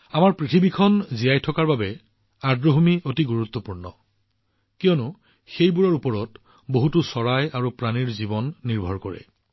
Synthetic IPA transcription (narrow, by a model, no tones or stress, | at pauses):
amaɹpɹitʰibikʰɔnzijajtʰɔkaɹbabɛ | adɹoɦomiotiɡuɹut̪ːɔpuɹnɔ | kijɔnʊ | xejbuɹɔɹupɔɹɔt | boɦutusɔɹajaɹupɹaniɹzibɔnːiɹbʱɔɹkɔɹɛ̰